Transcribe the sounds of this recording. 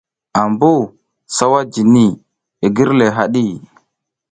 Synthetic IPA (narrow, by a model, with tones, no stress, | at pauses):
a˨mbu˦˨ | sa˦wa˦d͡ʒi˨ni˦˨ | e˨ɡi˦ɾle˨ɦa˨ɗi˦˨